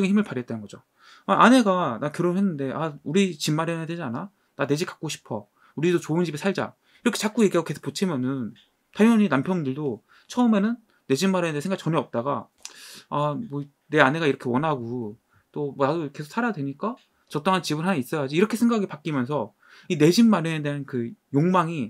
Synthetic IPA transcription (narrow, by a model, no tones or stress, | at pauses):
ɡeçimɯɭpaɾijet͈anɯnɡʌd͡ʑo | aʔane̞ɡanakɯɾʌhenːɯnde̞ʔauɾit͡ɕimːaɾanadwed͡ʑiana | nane̞d͡ʑik͈ḁk͈oɕʰi̥pʰʌ̰ | uɾidot͡ɕoɯnt͡ɕibesʰaɭd͡ʑa̰ | iɾʌkʰe̞t͡ɕak͈ojeɡiaɡoke̞sʰo̥kp͈ot͡ɕʰemjʌnɯn | tʰajʌɲinampʰjʌnɡɯɭdo | t͡ɕʰʌɯme̞nɯnː | e̞d͡ʑimːaɾjʌedesʰeŋɡaɡit͡ɕʌneʌp̚t͈aɡa | amʌ | ne̞ane̞ɡaiɾʌkʰe̞wʌnɦaɡu | t͈omʌnadokesʰo̥ks͈ʰaɾaadweɲik͈a | t͡ɕʌt͈oŋɦant͡ɕibɯɭɦanais͈ʌjad͡ʑiːɾʌkʰesʰeŋɡaaɡipak͈imjʌns̬ʰʌ | ine̞d͡ʑimːaɾjʌnedeɦankɯjoŋmaŋi